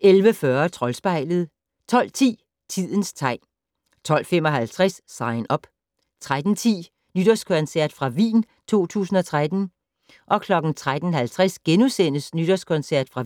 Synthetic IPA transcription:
elʋəfɶɐt͡sʰʁɒ̽lsb̥ɑ̈ɪ̰ləð̞̩ˠ | t͡sʰɒ̽l̰t͡sʰḭː | t͡sʰið̰ˠən̩st͡sʰɑ̈ɪ̰ | t͡sʰɒ̽l̰fem̰ɒ̽ɦælt͡sʰʁassɑ̈ɪnɒ̽b̥ | t͡sʰʁad̥n̩t͡sʰḭː | nyd̥ɒskʰɒ̽nsæɐ̰d̥fʁɑ̈ʋḭːn | t͡sʰo̝̰ːt͡sʰṵːsn̩ɒt͡sʰʁad̥n̩ | ʔɒ̽kʰlɒ̽ɡ̥n̩t͡sʰʁad̥n̩hælt͡sʰʁasɡ̥enusen̰əsnyd̥ɒskʰɒ̽nsæɐ̰d̥fʁɑ̈

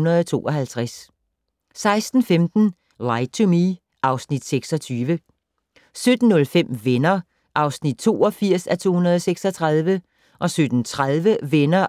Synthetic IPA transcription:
nɐð̩ˠɒt͡sʰo̝̰ːʔɒ̽ɦælt͡sʰʁas | sɑ̈ɪsd̥n̩femd̥n̩ | lɑɪt͡sʰumi | ʔɑ̈ʊsnid̥seɡ̥sɒ̽t͡sʰyːʋə | sød̥n̩ːɔ̽lfem̰ʋenɐ | ʔɑ̈ʊsnid̥̚t͡sʰo̝̰ːɒ̽fiɐ̰sæt͡sʰo̝̰ːhunɐð̞ˠɒseɡ̥sɒ̽t͡sʰʁaðˠʋə | ʔɒ̽sød̥n̩t͡sʰʁaðˠʋəʋenɐ

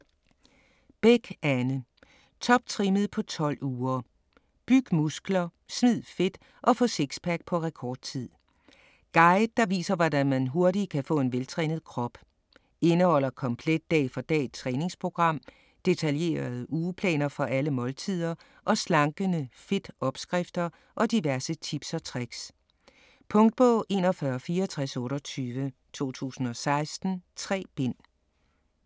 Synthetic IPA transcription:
b̥eɡ̥ænə | t͡sʰɒ̽b̥̚t͡sʰʁiməð̩ˠpʰɒ̽t͡sʰɒ̽l̰uːɐ | b̥yɡ̥əmusɡ̥lɐ | smið̞̰ˠfe̝d̥ | ʔɒ̽fɔ̰̽se̝ɡ̥spʰæɡ̥̚pʰɒ̽ʁɛkʰɒːd̥̚t͡sʰið̰ˠ | ɡ̥ɑ̈ɪd̥̚ːɑ̈ʋḭːsɐʋɒdænmænɦo̝ɐdi̥kʰæfɔ̰̽ːe̝nʋelt͡sʰʁɛ̰ːnð̞̩ˠkʰʁɒ̽b̥ | e̝nəhɒ̽l̰ɐkʰɒ̽mpʰled̥ːɛ̰ːfɒ̽d̥ɛ̰ːd̥̚t͡sʰʁɛːne̝ŋspʰʁo̝ɡ̥ʁɑ̈m̰ | d̥e̝t͡sʰælje̝̰ːɐð̩ˠəʔuːpʰlɛ̰ːnɐfɒ̽ʔæləmɒ̽lt͡sʰið̰ˠɐ | ʔɒ̽slɑ̈ŋɡ̥ənəfe̝d̥ɒ̽b̥sɡ̥ʁɛfd̥ɐ | ʔɒ̽d̥iʋæɐsət͡sʰib̥sɒt͡sʰʁaɡ̥s | pʰɔ̽ŋd̥̚b̥ɔ̽ːʔe̝̰ːnɒfɶːɐfiːɐɒt͡sʰʁasɔ̽ːɾɒt͡sʰyːʋət͡sʰo̝̰ːt͡sʰṵːsn̩ɒ̽sɑ̈ɪsd̥n̩t͡sʰʁɛ̰ːb̥e̝n̰

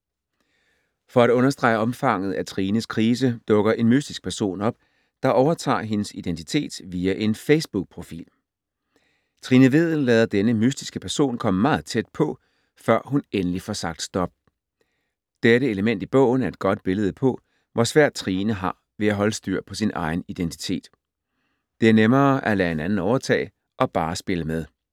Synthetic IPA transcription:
fɒ̽æɾ̥ɔ̽nɐsd̥ʁɑ̈ɪəɒ̽mfɑ̈ŋ̰ð̩ˠæt͡sʰʁiːnəskʰʁiːs̬əd̥ɔ̽ɡ̥ɐʔe̝nmysd̥isɡ̥̚pʰæɐso̝̰ːnɒ̽b̥̚ | d̥ɑ̈ʔɒʊɐt͡sʰɑ̰̈ːɦe̝nəsid̥ent͡sʰi̥t͡sʰe̝̰ːd̥ʋiːæʔe̝nfeɪsb̥uɡ̥̚pʰʁo̝fḭːl | t͡sʰʁinəʋe̝ð̰̩ˠlɛ̰ːð̞ˠɐd̥enəmysd̥isɡ̥əpʰæɐso̝̰ːnkʰɒ̽m̰əmɑ̈ːð̞̩ˠt͡sʰed̥̚pʰɒ̽ | fɶɐ̰ɦunenəlifɒsɑ̈ɡ̥d̥sd̥ɒ̽b̥̚ | d̥eɾəe̝ləmen̰d̥ib̥ɔ̰̽ʊn̩æɐe̝d̥̚ɡ̥ɒ̽d̥̚b̥e̝ləð̞ˠəpʰɒ̽ | ʋʔɒsʋæɐ̰d̥̚t͡sʰʁiːnəɦɑ̈ | ʋe̝æɦɒ̽ləsd̥yɐ̰pʰɒ̽sinʔɑ̈ɪn̩id̥ent͡sʰi̥t͡sʰe̝̰ːd̥ | d̥e̝æɐnemɐːʔælɛːe̝nænn̩ɒʊɐt͡sʰɛ̰ːɪ | ʔɒ̽b̥ɑ̈ːsb̥e̝ləmeð̞ˠ

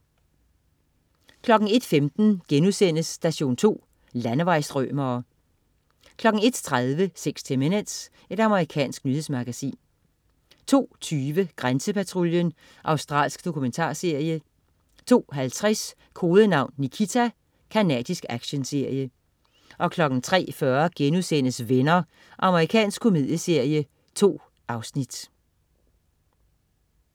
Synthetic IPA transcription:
kʰlɒ̽ɡ̥ŋ̩e̝d̥femd̥n̩ɡ̥enusen̰əsːd̥æɕo̝̰ːnt͡sʰo̝̰ː | lænəʋɑ̈ɪsd̥ʁœ̰mɐː | kʰlɒ̽ɡ̥ŋ̩e̝d̥t͡sʰʁaðˠʋəseɡ̥st͡sʰemenens | e̝d̥ɑ̈məʁikʰɛ̰ːnsɡ̥nyhe̝smɑ̈ɡ̥æsḭːn | t͡sʰo̝̰ːt͡sʰyːʋəɡ̥ʁansəpʰæt͡sʰʁuljən | ʔɑ̈ʊsd̥ʁɑ̰̈ːlsɡ̥d̥o̝kʰument͡sʰɑ̰̈ːse̝ɐ̰jə | t͡sʰo̝̰ːɦælt͡sʰʁɛs | kʰo̝ːðˠənɑ̈ʊ̰nːikʰit͡sʰæ | kʰænɛ̰ːd̥isɡ̥æɡ̥ɕənse̝ɐ̰jə | ʔɒ̽kʰlɒ̽ɡ̥n̩t͡sʰʁɛ̰ːfɶɐɡ̥enusenəsʋenɐ | ʔɑ̈məʁikʰɛ̰ːnsɡ̥kʰːomið̞̰ˠjəse̝ɐ̰jə | t͡sʰo̝̰ː | ʔɑ̈ʊsnid̥

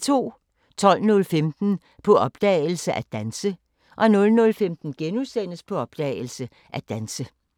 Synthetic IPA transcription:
t͡sʰo̝̰ː | t͡sʰɒ̽l̰nɔ̽lfemd̥n̩ | pʰɒ̽ʔɒ̽b̥d̥ɛ̰ːl̩səʔæd̥ænsə | ʔɒ̽nɔ̽lnɔ̽lfemd̥n̩ɡ̥enusen̰əspʰɒ̽ɒ̽b̥̚d̥ɛ̰ːl̩sə | ʔæd̥ænsə

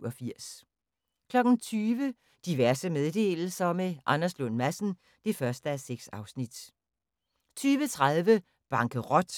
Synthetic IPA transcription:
ɒfiɐ̰s | kʰlɒ̽ɡ̥n̩t͡sʰyːʋə | d̥iʋæɐsəmeðˠd̥e̝̰ːll̩sɐmeʔɑnɐslɔnmæsn̩ | d̥e̝fɶɐsd̥əæseɡ̥sɑ̈ʊsnid̥ | t͡sʰyːʋət͡sʰʁaðˠʋə | b̥ɑ̈ŋɡ̥ʰəʁɒd̥

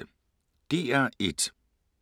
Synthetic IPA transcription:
ə | d̥e̝æɐed̥

